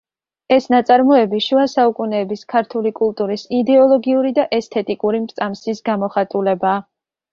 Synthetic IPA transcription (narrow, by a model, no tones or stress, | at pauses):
ɛsnat̪sʼaɾmɔɛbiʃuasaukʼunɛːbiskʰaɾt̪ʰulikʼulˠt̪ʼuɾisid̪ɛɔlˠɔɡiuɾid̪aʔɛst̪ʰɛt̪ʼikʼuɾimɾt̪sʼamsisɡamɔχat̪ʼulɛbaː